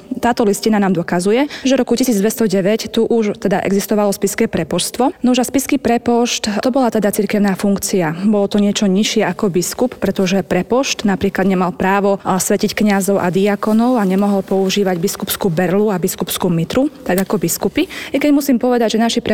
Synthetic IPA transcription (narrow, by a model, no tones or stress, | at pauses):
t̪aːt̪ɔliscinanaːmd̪ɔkazujɛʒɛɾɔkucisiːd͡zd̪ʋɛst̪ɔɟɛʋɛct̪uʔuʃt̪ɛd̪aʔɛ̰ɡzist̪ɔʋalɔspiskɛːpɾɛpɔʃst̪ʋɔnuʒaspiskipɾɛpɔʃt̪t̪ɔbɔlat̪ɛd̪at͡siɾkɛʊnaːfuŋkt͡siabɔlɔt̪ɔɲɪɛt͡ʃɔɲiʃɪɛʔakɔbiskupːɾɛt̪ɔʒɛpɾɛpɔʃt̪napɾiːklad̪ɲɛmalpɾaːʋɔsʋɛcickɲazɔʊʔa̰d̪iakɔnɔʊaɲɛmɔɦɔlpɔuʒiːʋaɟbiskupskuːbɛɾluabiskupskuːmit̪ɾut̪aɡakɔbiskupiɛkɛɟmusiːmpɔʋɛd̪aɟʒɛnaʃipɾɛ